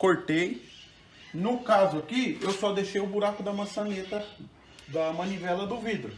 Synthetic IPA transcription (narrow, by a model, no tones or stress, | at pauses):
koɾt̪ej | nʊkazʊakiewsɔd̪eʃejʊbuɾakʊd̪ɐmɐ̃sɐnet̪ɐ | d̪ɐmɐ̃nivɛlɐd̪ʊvid̪ɾʊ